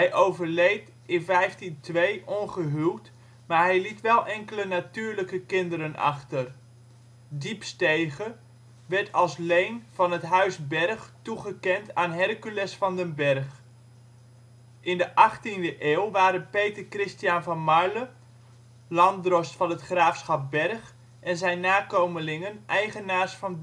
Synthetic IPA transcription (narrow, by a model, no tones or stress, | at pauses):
ɦɛjʔowvərlejt | ɪnvɛjftintʋejʔɔnχəɦylˠt | maːɹɦɛjlitʋɛlˠʔɛŋkələnatyːɹləkəkɪndəɾənʔɑ̰χtər | dipstejɣə | ʋɛɹtɑlˠslejnv̥ɑnətɦœɥsbɛrχtuχəkɛntʰaːnɦɛrkylɛsfɑndənbɛrχ | ʔɪndəʔɑχtindəʔeːlˠʋaːɾənpejtərkrɪstijanvɑnmɑɹlə | lɑndrɔstfɑnətχraːfsχɑp̚bɛrχ | ʔɛnzɛjnːaːkowməlɪŋənʔɛjχənaːrsfɑn